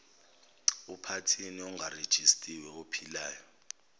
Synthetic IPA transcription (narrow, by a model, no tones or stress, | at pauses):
upʰatʰiniɔŋɡʱared̥ʒ̥ʱistʼiwɛopʰilaːjɔ